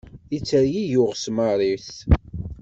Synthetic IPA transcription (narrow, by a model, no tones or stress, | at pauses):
it͡sːəɾjijʊʁsmərˤiθ